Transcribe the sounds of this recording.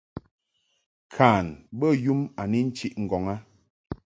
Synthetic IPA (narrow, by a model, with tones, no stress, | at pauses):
kʰaː˨nbə˦˨ju˦ma˨ni˦n̩˦t͡ʃi˦ʔŋ̩˨ɡɔ˨ŋa˦